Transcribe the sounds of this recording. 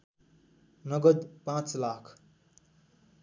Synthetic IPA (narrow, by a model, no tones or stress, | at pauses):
nʌɡʌd̪pãt͡slakʰ